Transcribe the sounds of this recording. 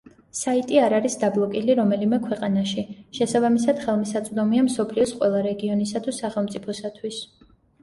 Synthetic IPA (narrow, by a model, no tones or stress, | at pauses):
sait̪ʼiaɾaɾisd̪ablˠɔkʼiliɾɔmɛlimɛkʰwɛqʼanaʃiʃɛsabamisad̪̥χɛlˠmisat̪sʼd̪ɔmiamsɔpʰliɔsqʼwɛlˠaɾɛɡiɔnisat̪ʰusaχɛlˠmt̪sʼipʰɔsat̪ʰwis